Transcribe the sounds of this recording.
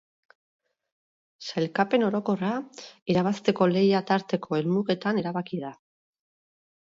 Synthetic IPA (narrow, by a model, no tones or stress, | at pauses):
sajlkape̞no̞ɾo̞ko̞raiɾaβast̪e̞ko̞le̞jat̪aɾt̪e̞kʰo̞e̞lmuɣe̞t̪aneɾaβakiða